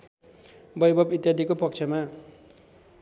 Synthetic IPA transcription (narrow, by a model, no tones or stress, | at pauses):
bʌjbʱʌbit̪jad̪ʱikopʌk̚t͡sʰʌma